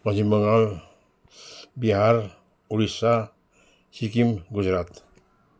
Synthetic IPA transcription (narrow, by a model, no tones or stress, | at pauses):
masiməŋal | biɦaɾ | uɾisa | sikimɡud͡ʒɾat̪